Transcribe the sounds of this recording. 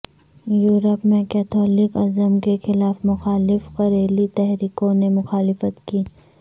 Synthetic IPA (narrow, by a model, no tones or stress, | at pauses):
juːɾəpmẽkɛːt̪ʰɔːlɪkɐzəmkexɪlaːfmʊxaːlɪfqɐɾeːlit̪ɛɦɾiːkõnemʊxaːlɪfət̪kiː